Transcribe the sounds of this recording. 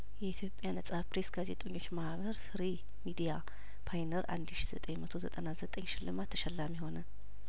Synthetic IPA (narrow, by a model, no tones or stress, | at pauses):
jɛit̪ʰjo̞pʼːjanəsʼapɾe̞sɡaze̞t̪ʼoɲːo̞t͡ʃːmahβəɾfɨɾi | mid̪ija | pʰajnəɾʔa̰nd̪ʃiz̥ət̪ʼəɲmət̪ʰozət̪ʼənazət̪ʼəɲːʃɪlːɨmat̪ʰːəʃɛlːamjɛho̞nə